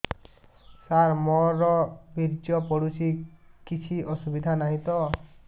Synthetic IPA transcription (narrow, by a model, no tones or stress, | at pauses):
saɾmɔɾɔbiɾd͡ʒjɔpɔɽusikit͡ʃʰiʔɔsubid̪ʱanaɦĩt̪ɔ